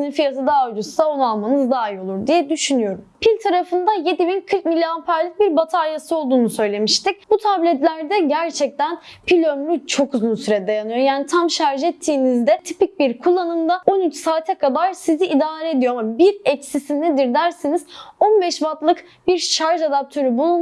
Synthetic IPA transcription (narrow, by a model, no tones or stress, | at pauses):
ninfijat̪ʰad̪ad͡ʒusao̞nalˠmanɯzd̪aːjio̞lˠuɾd̪ijɛd̪yʃynyjo̞ɾumpʰilʲt̪ʰaɾafɯnd̪aje̞d̪ibinkʰɯɾkmilʲːiampʰæɾlʲic̚biɾbat̪ʰaɾjasɯo̞lˠd̪uːnusø̞jlʲe̞miʃt̪ʰic̚b̥ut̪ʰablʲɛt̪lʲæɾd̪ɛɟæɾt͡ʃʰɛc̚t̪ænpʰilʲømɾyt͡ʃʰo̞kuzunsyɾɛd̪ajanɯjo̞jaːnit̪ʰamʃaɾʒɛt̪ʰːiːnizd̪ɛt̪ʰipic̚biɾkʰulˠːanɯmd̪ao̞nyt͡ʃsaːt̪ʰɛkʰad̪aɾsiziʔːd̪aːɾɛed̪ijo̞amabiɾɛcsisind̪ɛd̪iɾd̪æɾsiniz̥o̞nbɛʃvat̪lˠɯk | biɾʃaɾʒad̪ap̚t̪ʰø̞ɾybulˠu